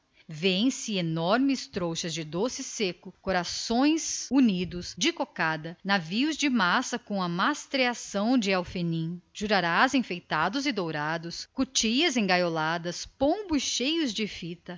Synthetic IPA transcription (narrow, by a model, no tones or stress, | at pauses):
vẽj̃sɪenɔɾmɪst̪ɾowʃɐzd͡ʒɪd̪osɪsekʊkoɾasõj̃sunid̪ʊsd͡ʒɪkokad̪ɐnaviʊzd͡ʒɪmasɐkõɐmast̪ɾeasɐ̃w̃d͡ʒɪawfenĩʒ̥uɾaɾazẽfejt̪ad̪ʊzɪd̪owɾad̪ʊskut͡ʃiɐzẽj̃ɡajolad̪ɐspõbʊsʃejʊzd͡ʒɪfit̪ɐ